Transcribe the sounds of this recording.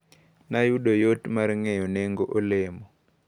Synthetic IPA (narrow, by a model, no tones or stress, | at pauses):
najuɗɔjotmaɾiŋɛjɔnɛŋɡɔʔoleːmɔ